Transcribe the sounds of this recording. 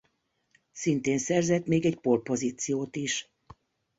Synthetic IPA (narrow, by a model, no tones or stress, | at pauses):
sint̪eːnsɛrzɛt̪meːɡɛcporpo̞ziːt̪sijoːt̪iʃ